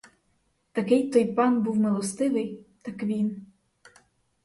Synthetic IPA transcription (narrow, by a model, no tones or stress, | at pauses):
t̪ɐkɪjt̪ɔjpɑnbuwmelˠɔst̪ɪʋɪjt̪ɑkʋʲin